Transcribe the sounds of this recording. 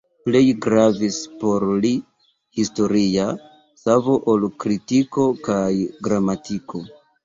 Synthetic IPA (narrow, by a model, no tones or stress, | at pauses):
ple̞jɡɾavispo̞ɾli | histo̞ɾia | savo̞ʔolkɾitiko̞kajɡɾamatikʰo̞